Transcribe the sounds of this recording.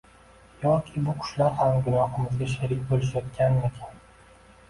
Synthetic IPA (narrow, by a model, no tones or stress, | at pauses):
jɒkʲʰɪbʊkʰʊ̥ʃlaɾhamɡʊnɒhɪmɪzɡʲaʃeɾɪkʲbolɪʃ̬jɒt̪̚kʲanekʲʰan